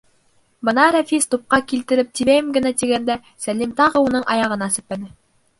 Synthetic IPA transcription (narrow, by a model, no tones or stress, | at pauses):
bɤ̆nɑɾæfist̪up̚qɑkilt̪ɘ̆ɾɘp̚t̪iβæjɘmɡɘ̆næt̪iɡænd̪æ | sælimt̪ɑʁɤunɤɴʔɑ̰jɑʁɤ̆nɑsɘ̆pːænɘ